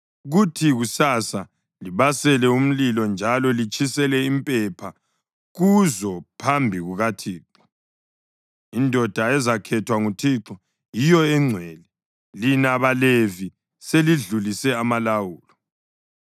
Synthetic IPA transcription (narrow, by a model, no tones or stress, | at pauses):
ɣutʰiɣusasa | liβasɛlɛum̩lilɔnd͡ʒʱalɔlit͡ʃʼisɛlɛimpʼɛpʰa | ɣuzɔpʰambʱiɣuɣatʰiːǁɔ̥ | indʱɔd̥ʱaɛzakʰɛtʰwaŋutʰiǁɔ | jijɔɛŋ͡ǀʱwɛːlɛ | linaβalevi | seliɮulisɛamalawuːlɔ